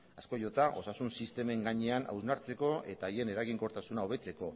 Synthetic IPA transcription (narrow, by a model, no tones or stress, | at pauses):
asko̞jo̞t̪aʔo̞sasunsist̪e̞me̞ŋɡaɲe̞ana̰wznaɾt͡se̞ko̞ʔe̞t̪aːje̞ne̞ɾaɣiŋko̞ɾt̪asunao̞β̞e̞t͡se̞ko̞